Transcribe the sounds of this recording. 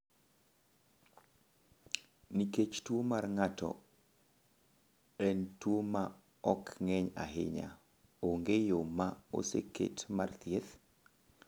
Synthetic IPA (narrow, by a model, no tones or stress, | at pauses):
niket͡ʃtwomarŋatɔ̰ | ɛntwoma | ɔkŋɛɲa̰ɦɪ̰ɲa̰ | oŋɡejomao̰sḛkḛtmart̪jet̪